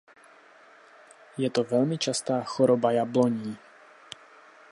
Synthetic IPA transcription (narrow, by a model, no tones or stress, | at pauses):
jɛt̪ɔvɛlmit͡ʃast̪aːxɔɾɔbajablɔɲiː